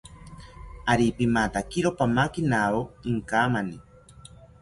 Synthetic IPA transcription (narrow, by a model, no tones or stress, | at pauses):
aɾipimat̪akiɾopamakinaoŋkaːmani